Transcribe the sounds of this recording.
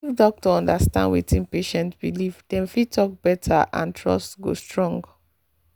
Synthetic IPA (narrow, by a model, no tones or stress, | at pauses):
ifdɔk̚tɔɔ̃ndastã̰ndwḭtĩnpeʃɛ̃ntbilivd̥ɛ̃nfitʰɔk̚b̥ɛtʰaʔã̰ntʰɹɔ̰stɡo̰stɹɔ̃ŋɡ